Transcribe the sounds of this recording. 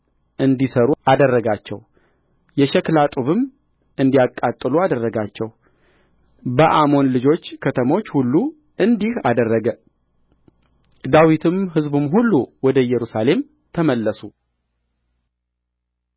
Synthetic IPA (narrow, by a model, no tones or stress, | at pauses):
ʔɨnd̪isəɾuad̪ərːəɡat͡ʃːɛ̰w | jɛʃɛklat̪ʼuβɨm | ɨnd̪iakʼːat̪ʼːɨluad̪ərːəɡat͡ʃːɛw | bəʔamo̞nlɨd͡ʒo̞t͡ʃːkʰət̪ʰəmo̞t͡ʃːhulːu | ʔɨnd̪iha̰d̪ərːəɡə | d̪awit̪ʰɨmɦɨzbumɦulːuwɔd̪əjɛɾusale̞m | t̪ʰəməlːəsu